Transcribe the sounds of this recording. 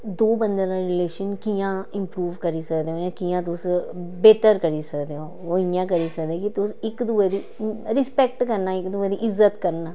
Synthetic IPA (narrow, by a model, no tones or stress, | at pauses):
d̪oːbənd̪eɾãːɾɪleːʃənkijãːɪmpɾuːʋkəɾiːsəkd̪eːɦõːjãːkijãːt̪̬ʊsbeːt̪əɾkəɾiːsəkd̪eːɦõː | oːɪjãːkəɾiːsəkd̪eɛːkit̪ʊsɪkd̪ʊɛːd̪iːɾɪspɛk̚ʈkəɾnaːɪkd̪ʊɛːd̪iːʔɪzːət̪kəɾnaː